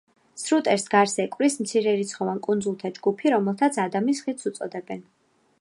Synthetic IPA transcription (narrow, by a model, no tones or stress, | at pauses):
sɾut̪ʼɛɾsɡaɾsɛkʼvɾismt̪sʰiɾɛɾit̪sʰχɔvankʼund̪zulˠt̪ʰad͡ʒɡupʰiɾɔmɛlˠt̪ʰat̪sʰad̪amisχit̪sut̪sʼɔd̪ɛbɛn